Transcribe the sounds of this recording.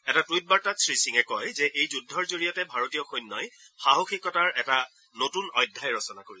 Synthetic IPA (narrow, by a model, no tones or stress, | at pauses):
ɛtatujt̚baɹtatsɹisiŋɛkɔjzɛʔejzudʱːɔɹzoɹijɔtɛbʱaɹotijɔxojnːɔjxaɦoxikːɔtaɹʔɛta | notunɔjdʱːajɹɔsɔnakoɹi